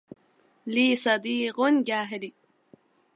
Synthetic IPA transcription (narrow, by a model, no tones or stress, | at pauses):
liːsɐd̪iːqunɡʲaːɦeli